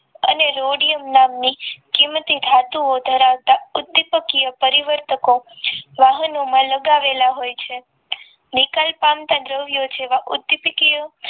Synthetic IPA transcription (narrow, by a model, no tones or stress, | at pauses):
ə̰neɾoɽijəmnamnikimət̪id̪ʱat̪uod̪ʱəɾaʋt̪aʊd̪ːipəkijəpəɾiʋəɾt̪əkoʋaɦənomãləɡaʋelaɦojt͡ʃʰe | nikalpamt̪ad̪ɾəʋjod͡ʒʰeʋaʔʊd̪ːipəkijə